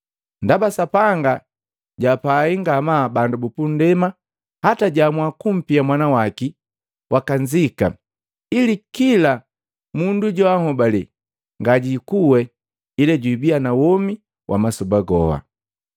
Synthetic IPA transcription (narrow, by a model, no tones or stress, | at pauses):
ndabasapaŋɡa | ɟapaiŋɡamaːbandubupun̩dɛma | hataɟamwakum̩piamwanawaki | wʔakaɲd͡ʒika̰ | ilikila | munduɟɔaŋɔbali | ŋɡaɟikuwɛ | ilɛɟwibianawɔmi | wʔa̰masɔbaɡɔ̰ha̰